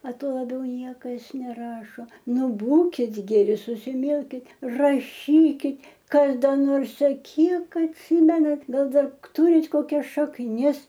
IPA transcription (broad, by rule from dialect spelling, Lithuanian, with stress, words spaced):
ɐ ˈtuɔ lˠɐˈbʲɛʊ ˈnʲiɛkɐs nʲɛˈrɑːʃoː ˈnʊ ˈbuːkʲɪt ɡʲɛˈrʲɪ sʊsʲɪˈmʲɪlʲkʲɪt rɐˈʃʲiːkʲɪt ˈkɐs ˈdɐ noːrs ɐ ˈkʲiɛk ɐtʲˈsʲɪmʲɛnɐt ˈɡɐlˠ ˈdɐr ˈtʊrʲɪt koːˈkʲɛs ʃɐkˈnʲɪs